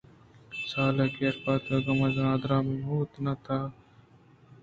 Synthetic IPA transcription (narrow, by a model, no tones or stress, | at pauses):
saːlekeːɾpaːt̪eːɡɐmɐzãːd̪ɾãːmiɦuːt̪nɐt̪ʰaː